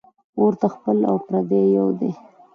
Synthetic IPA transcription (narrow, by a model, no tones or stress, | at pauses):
oɾt̪axpəla̰wpɾad̪ejawd̪e